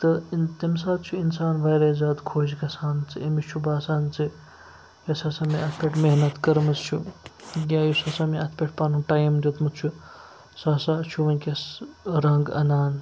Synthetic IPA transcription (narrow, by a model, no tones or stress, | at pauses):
t̪ɨt̪ɐmsaːt̪t͡ʃʰuinsaːnʋɐjɾɐːzaːd̪kʰoːd͡ʒkɐsaːnt͡sɨimit͡ʃʰubaːsaːnt͡sɨ | jɐsasamiɐt̪ʰpʲeʈmeɦnɐt̪kɐɾmɐzt͡ʃʰuɡʲaːjusasamiɐt̪ʰpʲeʈ̚paːnuʈajɐmd̪ot̪mɨt̪t͡ʃʰu | sasat͡ʃʰuʋɐnʲkʲɐsɾɐŋɡɐ̰naːn